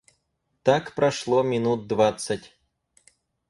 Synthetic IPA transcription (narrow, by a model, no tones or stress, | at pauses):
t̪akpɾɐʂlˠɔmʲɪnut̪̚d̪vat̪sɐtʲ